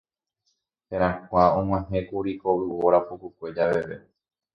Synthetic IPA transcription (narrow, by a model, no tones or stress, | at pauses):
heɾãkʷaõŋ̃ãɦẽkuɾikoʔɨoɾapukukʷe̞d͡ʒaʋe̞ʋe̞̰